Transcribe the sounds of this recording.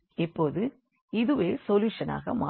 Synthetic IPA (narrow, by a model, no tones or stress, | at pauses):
ɪpːoːðɯ | ɪðɯʋeːsɔljuːʂɐna̰ːɣɐ̰maː